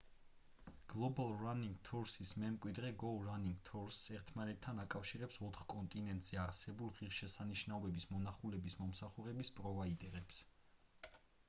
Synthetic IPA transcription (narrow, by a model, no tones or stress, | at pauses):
ɡ̥lˠɔbalˠɾaniŋɡt̪ʰɔɾsismɛmkʼwid̪ɾɛɡɔlɾaniŋɡt̪ʰɔɾsɛɾt̪ʰmanɛt̪ʰːanakʼafʃiɾɛpsɔt̪ʰχkʼɔnt̪ʼinɛnt̪ʼz̥ɛaɾsɛbulˠʁiʁʃɛsaniʃnaɔbɛbismɔnaχulɛbismɔmsaχuɾɛbispʼɾɔvait̪ʼɛɾɛps